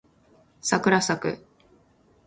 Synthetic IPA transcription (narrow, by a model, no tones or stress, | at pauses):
sakɯ̟ɾasakɯ̟̰